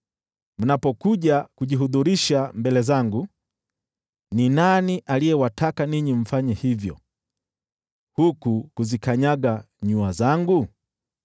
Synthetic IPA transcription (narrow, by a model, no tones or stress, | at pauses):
m̩napɔkuʄakuʄiɦuðuɾiʃambɛlɛzaŋɡu | ninaniʔalijɛwatʰakaniɲim̩faɲɛhivjɔ | hukukuzikaɲaɠa | ɲuazaŋɡu